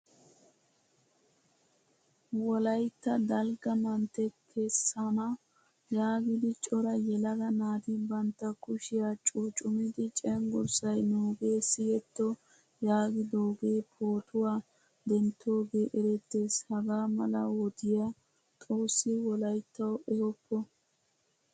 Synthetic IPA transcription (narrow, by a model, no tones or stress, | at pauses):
wɔlɐjt̪ːɐd̪ɐlɡɐmɐnt̪ːɛkʰɛsːɐnɐ | jaːɡɪd̪ɪt͡ʃʼɔɾɐjɛlɐɡɐnaːd̪ɪbɐnt̪ːɐkʊʃɪjaːt͡ʃʼut͡ʃʼʊmɪd̪ɪt͡ʃʼɛŋɡʊɾsɐjnuːɡe̞ːsɪjɛt̪ːɔ | jaːɡɪd̪oːɡeːpʰoːt̪ʊwaː | d̪ɛnt̪ʰːo̞ːɡe̞ːʔɛɾɛt̪ːe̞ːshɐɡaːmɐlɐ̰wɔd̪ɪja | t̪ʼoːsːɪwɔlɐjt̪ːɐwʔɛɡɔpːɔ